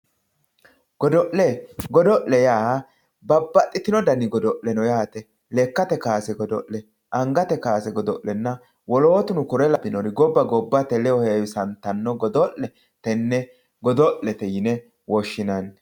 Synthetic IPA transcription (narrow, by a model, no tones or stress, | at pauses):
ɡ̥ɔd̪ɔʔlɛɡɔd̪ɔʔlɛjaːɐ | bɐbːɐt̪ʼːɪt̪ɪnɔd̪ɐnɪɡɔd̪ɔʔlːɛnɔjaːt̪ɛ | lɛkːɐt̪ɛkaːsɛɡɔd̪ɔ̰ʔlɛ | ʔɐŋɡɐt̪ɛkaːsɛɡɔd̪ɔʔlɛnːɐ | wɔloːt̪ʊnʊkʊɾɛlɐbɪnɔɾɪɡɔbːɐɡɔbːɐt̪ɛlɛɔhɛwsɐnt̪ːɐnːɔɡɔd̪ɔʔlɛ | t̪ɛnːɛ | ɡɔd̪ɔʔlːɛt̪ɛjɪnɛ | wɔʃːɪnɐn